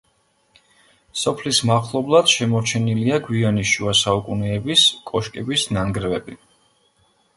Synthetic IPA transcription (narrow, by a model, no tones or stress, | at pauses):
sɔpʰlismaχlˠɔblˠad̪̥ʃɛmɔɾt͡ʃʰɛniliaɡwianiʃuasaukʼunɛːbiskʼɔʃkʼɛbisnaŋɡɾɛvɛbi